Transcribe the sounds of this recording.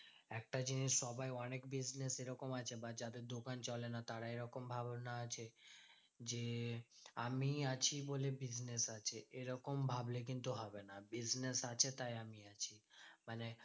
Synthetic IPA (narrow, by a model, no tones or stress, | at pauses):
ɛk̚ʈad͡ʑiniʃːɔbajɔnekbid͡ʑneseɾɔkomat͡ɕʰebad͡ʑad̪eɾd̪okant͡ɕɔlenat̪aɾaeɾɔkombʱabnaat͡ɕʰe | d͡ʑe | amiat͡ɕʰibolebid͡ʑnesat͡ɕʰeʔeɾɔkombʱablek̬int̪uɦɔbenabid͡ʑnesat͡ɕʰet̪ajamiat͡ɕʰimane